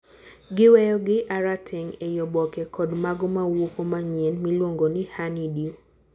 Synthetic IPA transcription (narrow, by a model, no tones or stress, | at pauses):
ɡɪwɛjɔɡɪʔaɾatʰɛŋejɔbɔkɛkɔdmaɡɔmawokomaɲenmilwoŋɡonɪhanidjo